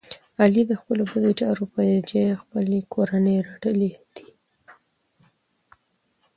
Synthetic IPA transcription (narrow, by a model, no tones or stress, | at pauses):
alid̪əxpəlobad̪ot͡ʃɑɾopajd͡ʒexpəlekʰoɾanəjɾaɖəled̪̥i̥